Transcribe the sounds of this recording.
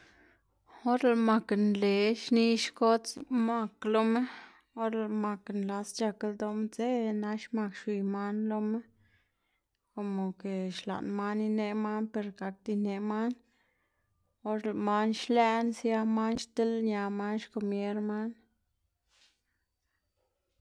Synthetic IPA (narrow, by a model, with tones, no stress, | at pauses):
o˦ɾe˨lma˨knle˨ʃni˧˦ʃko˦t͡sma˧klo˧me˦ | o˦ɾe˧lma˨knla˧st͡ʃa˧ke˧ld̪o˧m˦t͡se˦na˧˦ʃma˧kʃwi˨jma˦nlo˧me˦ | ko˨mo˨ke˨ʃla̰˨nma˦ni˧ne˧ma˦npe˨ɾɡa˨k̚d̪i˧ne˧˨ma˦n | o˦ɾe˨lma˧˦nʃlɛ˦˧nsja˧ma˦nʃt̪e˦lɲa˨ma˦nʃko˧mje˦ɾma˦n